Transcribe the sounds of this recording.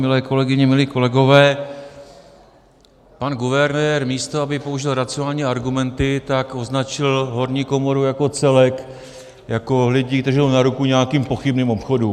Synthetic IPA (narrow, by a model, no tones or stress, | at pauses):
mɪlɛːko̞lɛɡɪɲɛmɪliːko̞lɛɡo̞vɛː | panɡuvɛɾnɛːɾmiːst̪oabɪpo̞uʒɪlɾat͡sɪonaːlɲiːaɾɡumɛnt̪ɪt̪ako̞znat͡ʃɪlɦo̞ɾɲiːko̞mo̞ɾujako̞t͡sɛlɛk | jako̞lɪɟiːd̪rʒɪlnaɾukuɲɛakiːmpo̞xɪbniːmo̞pxodu